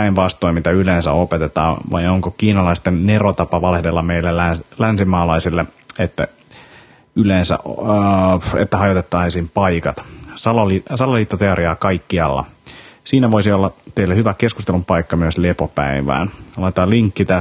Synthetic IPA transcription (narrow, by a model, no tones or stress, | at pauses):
pæinʋɑst̪oimit̪æylensæ̰opet̪et̪ɑ̰ːʋɑ̰joŋkokiːnɑlɑist̪enːerot̪ɑpɑʋɑlehdelːɑmeilːeælænsimɑːlɑisilːeet̪ːæ̰ | yleːnsæ̰ʔ | ḛt̪ːæhɑjot̪et̪ːɑisiːmpɑikɑt̪sɑlolisɑloliːt̪ːot̪eoɾiɑːkɑikːiɑlːɑ̰siːnæʋoisiolːɑt̪eilːehyʋækeskust̪elumpɑikːɑmyøslepopæ̰iʋæ̰ːnlɑit̪ɑːliŋkːit̪æ